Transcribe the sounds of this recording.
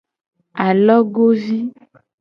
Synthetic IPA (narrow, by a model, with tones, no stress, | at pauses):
a˨lɔ˦ɡo˦vi˦